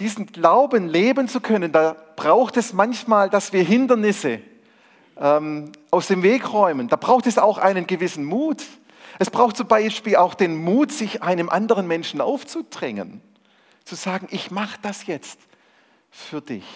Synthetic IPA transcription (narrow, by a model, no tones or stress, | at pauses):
d̥iːzn̩ɡlaʊbənleːbənt͡sukʰœnəndaːb̥ʁaʊxtɛsmançmaːldasv̥iːɐɦɪndɐnɪsə | ʔɛmʔaʊsd̥eːmveːkʁɔʏmənd̥aːb̥ʁaʊxtɛsaʊxʔa̰ɪnənɡəvɪsn̩muːt | ʔɛsb̥ʁaʊxt̚t͡sʊmbaɪʃpiːla̰ʊxd̥eːnmuːtz̥ɪçʔaɪnəmʔandəʁənmɛnʃn̩ʔa̰ʊft͡sud̥ʁɛŋə̰n | t͡suz̥aːɡŋ̩ʔɪçmaχəd̥asjɛt͡st | fyːɐdɪ̰ç